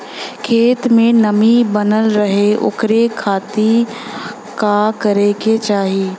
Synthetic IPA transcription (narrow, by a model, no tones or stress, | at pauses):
kʰeːt̪mẽnəmibənəlɾəɦeʊ̰kɾekʰaːt̪i | kakəɾeket͡ʃaːɦiː